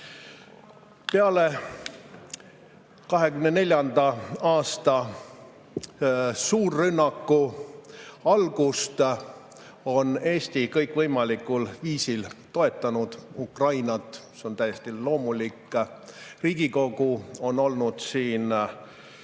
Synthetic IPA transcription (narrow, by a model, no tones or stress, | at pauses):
peɑle̞ | kɑɦe̞kymnene̞lʲjɑnd̪ɑɑːst̪ɑ | suːrːynːɑkˑːu | ɑlɡ̥ust̪ | o̞ne̞ːst̪ikɤjkvɤjmɑlikːˑulviːsilt̪o̞e̞t̪ːˑɑnud̪̥ukrɑjnɑt̪ːˑseo̞nt̪æjest̪ilo̞ːmulikːˑ | riːɡ̥iko̞ɡ̥uo̞no̞lnud̪̥siːn